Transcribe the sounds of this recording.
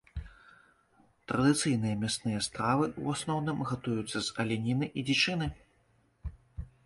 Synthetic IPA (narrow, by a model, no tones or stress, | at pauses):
t̪ɾɐd̪ɨt̪sɨjn̪ɨjɐmʲɛst̪nɨjɛst̪ɾavɨuasnɔwnɨmɣat̪ujut̪sːɐzɐlʲinʲinɨʔid͡zʲit͡ʂɨnɨ